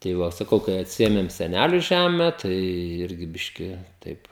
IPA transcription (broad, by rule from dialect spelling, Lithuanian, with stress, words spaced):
tɐɪ ˈʋɐ sɐˈkɐʊ kɐɪ ɐtʲˈsʲɪeːmʲeːm sʲɛˈnʲælʲʊ ˈʒʲæːmʲɛ ˈtɐɪ ˈɪrʲɡʲɪ ˈbʲɪʃʲkʲɪ ˈtɐɪp